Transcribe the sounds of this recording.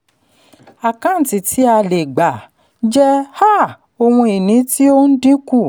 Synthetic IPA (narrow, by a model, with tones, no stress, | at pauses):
a˨kã˨˦n̩˨ti˨tʰi˨˦a˧le˨ɡ͡ba˨ | d͡ʒɛ˦ha˦˨ | o˧wũ˧i˨nĩ˨˦ti˦o˦n̩˦dĩ˦ku˦˨